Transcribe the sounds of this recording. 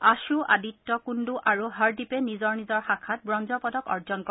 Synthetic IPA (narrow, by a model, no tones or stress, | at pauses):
aʃuʔaditːɔkunduʔaɹuɦaɹdipɛnizɔɹnizɔɹxakʰat̚bɹɔnzɔpɔdɔkɔ̰ɹd͡ʒɔnkɔ